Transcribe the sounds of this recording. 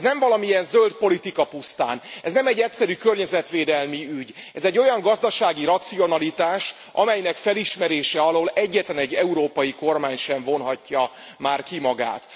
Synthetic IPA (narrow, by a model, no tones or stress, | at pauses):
nɛɱvɒlɒmiɛnzølt̪̚po̞lit̪ikɒpust̪a̰ːnɛznɛmɛɟːɛt̪sɛɾykørɲɛzɛt̪ʋeːd̪ɛlmiyɟ | ɛzɛɟːo̞jɒŋɡɒzd̪ɒʃaːɡiɾɒt̪sio̞nɒlit̪aːʃ | ʔɒmɛjnɛkfɛliʃmɛɾeːʃɛɒloːlɛɟːɛt̪lɛnɛɟːɛuɾoːpɒjiko̞rmaːɲʃɛɱvo̞nɦɒcːɒ | maːrkimɒɡa̰ːt̪